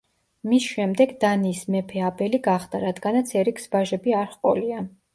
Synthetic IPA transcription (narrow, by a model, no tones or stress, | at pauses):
misʃɛmd̪ɛɡd̪aniːsmɛpʰɛabɛliɡaχd̪aɾad̪ɡanat̪sʰɛɾikʰsbaʒɛbiaɾχqʼɔ̰lia